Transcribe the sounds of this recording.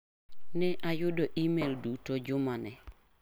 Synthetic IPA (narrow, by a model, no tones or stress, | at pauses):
nɛʔajʊdoʔimeldutod͡ʒʊmanɛ